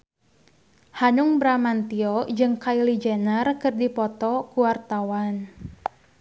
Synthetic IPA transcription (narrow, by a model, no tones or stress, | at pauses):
hanʊŋbɾamant̪iɔd͡ʒɨŋkailid͡ʒɛnərkɨrdipɔt̪ɔkuwart̪awan